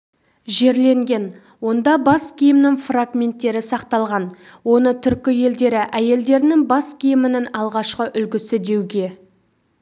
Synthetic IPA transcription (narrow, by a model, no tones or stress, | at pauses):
ʒe̞ɾle̞ŋɡʲe̞n | wo̞nd̪ɑbɑskʲʰijɪmnɪŋfraɡmʲe̞nt̪ːe̞ɾɪsɑqt̪ɑlˠʁɑn | wo̞nət̪ʰʏɾkʲɪje̞ld̪e̞ɾɪʔæje̞ld̪e̞ɾɪnɪŋbɑskʲʰijɪmɪnɪŋɑlˠʁɑʃqəʔʏlɡʲɪsɪd̪e̞wɡʲe̞